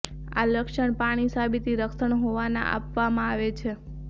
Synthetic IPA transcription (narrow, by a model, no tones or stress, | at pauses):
a̰ləkʃəɳpaɽ̃isabit̪iɾəksəɳɦoʋanã̰ʔa̰pʋamãaʋet͡ʃʰe